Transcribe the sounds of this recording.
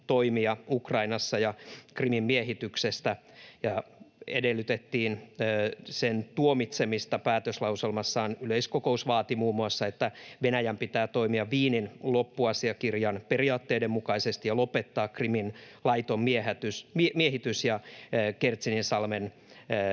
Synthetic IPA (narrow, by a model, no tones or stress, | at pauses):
t̪oimiɑukrɑinɑsːɑjɑkrimimːieɦit̪yksest̪æ | jɑedelːyt̪et̪ːiːnː | sent̪uomit̪semist̪ɑpæːt̪øslɑuselmɑsːɑːnyleiskokousʋɑːt̪imuːmːuɑsːɑet̪ːæʋenæjæmpit̪æːt̪o̞imiɑʋiːninlopːuɑsiɑkirjɑnperiɑːt̪ːeidemukɑisest̪ijɑlo̞pet̪ːɑːkkriminlɑit̪ommieæt̪ysmieɦit̪ysjɑːkert̪sininsɑlmenː